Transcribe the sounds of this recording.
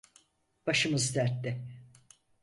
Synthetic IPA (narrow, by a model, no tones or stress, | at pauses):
b̥aʃɯmɯzd̪æɾt̪ːɪ